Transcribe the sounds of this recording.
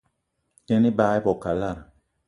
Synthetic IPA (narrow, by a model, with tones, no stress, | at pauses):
dɛ˦ni˦baː˦i˦bɔ˨ka˨la˦˨ɾ